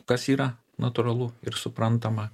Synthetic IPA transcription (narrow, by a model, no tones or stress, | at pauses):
kɐsiːɾɐ | nʔɐt̪ʊɾɐlˠʊɪɾsʊpɾɐnt̪ɐmɐ